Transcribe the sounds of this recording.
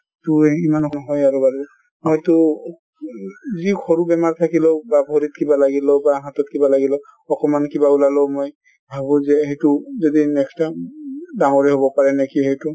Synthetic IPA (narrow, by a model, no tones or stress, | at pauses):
tuimankɔnɔɦɔjaɹubaɹibɔ | ɔjtu | zikʰɔɹubɛmaɹt̪ʰakilɔbabʱoɹit̚kibalaɡilɔbaɦatɔt̚kibalaɡilɔ | ɔkɔmankibaulalɔmoj | bʱabũzɛɦejtuzodinɛkstadaŋɔɹɛɦobɔpaɹɛnɛkiɦejtu